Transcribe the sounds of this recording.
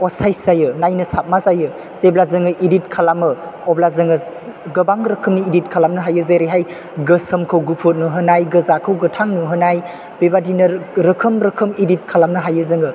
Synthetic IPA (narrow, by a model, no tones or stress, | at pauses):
ɔsajszajɯnajnɯsap̚mazajɯ | z̥eblazɯŋɯʔidit̚kʰalamɯɔblazɯŋɯ | ɡɐbaŋɾɐkʰɯmniidit̚kʰalamnɯɦajɯzeɾeɦaj | ɡəsəmkʰɯwɡupʰut̚nɯɦɯnajɡɯzakʰɯwɡɯtʰaŋnɯɦɯnaj | bebadinɯɾɯkʰɯmɾəkʰɯmidit̚kʰalamnɯɦajɯzɯŋɯ